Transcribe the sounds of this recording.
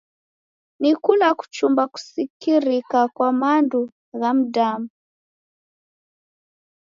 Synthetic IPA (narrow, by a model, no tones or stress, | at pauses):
nikulaku̥t͡ʃumbaku̥sikiɾikakwamandu | ɣam̩damu